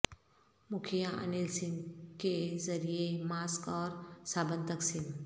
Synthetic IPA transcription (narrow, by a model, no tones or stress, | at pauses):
mʊkʰijaʔə̰nilsɪnkezɐɾijemaːskɔːɾsaːbənt̪əksin